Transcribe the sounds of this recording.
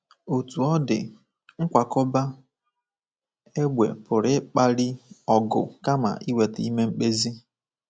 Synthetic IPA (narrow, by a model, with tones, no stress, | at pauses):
o˨tu˨ɔ˦dɪ̰˨ | ŋ̩˦kʷa˨kɔ˦ba˦ | e˦ɡ͡bʷḛ˨pʊ˨ɾɪ˦k͡pa˦ɾi˦ɔ˨ɡʊ̰˨ka˦ma̰˨ʔi˦we˨ti˦me˦ŋ͡m̩˦k͡pe˦zi˦